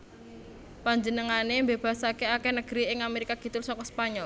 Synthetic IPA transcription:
paɲd͡ʒənəŋanembeb̥ä̤sakeakɛnəɡ̥ɾiɪŋameɾikaɡ̥i̤t̪ʊlsɔkɔspaɲɔl

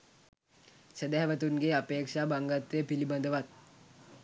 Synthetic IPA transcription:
səd̪ɛɦʋət̪unɡeːapeːkʂaːbaŋɡat̪ʋepilibɐnd̪əʋat̪̚

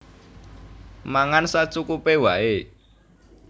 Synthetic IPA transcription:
maŋansat͡ʃukupewaʔe

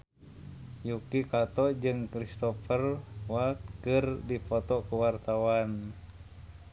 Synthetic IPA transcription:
jukikat̪ɔd͡ʒɨŋkɾist̪ɔfərwat̪̚kɨrdipɔt̪ɔkuwart̪awan

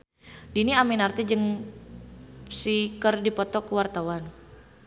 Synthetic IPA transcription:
diniaminart̪id͡ʒəŋ | sikərdipɔt̪ɔkəwart̪awan

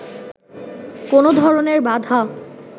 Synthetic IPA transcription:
konod̪ʱɔɾoneɾbad̪ʱa

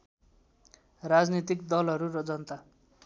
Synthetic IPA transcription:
rad͡znit̪ikd̪ʌlɦʌɾuɾʌd͡zʌnt̪a

